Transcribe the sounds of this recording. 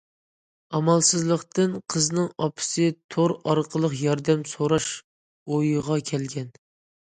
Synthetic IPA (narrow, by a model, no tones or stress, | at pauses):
ɑmɑlˠsɨzlˠəqt̪ɨnqʰəznɨŋɑpʰɪ̥sɨt̪ʰoɾɑɾqʰəlˠəqjɑɾd̪ɛmsoɾɑʃ | ojʁɑkʲʰɛlɡʲɛn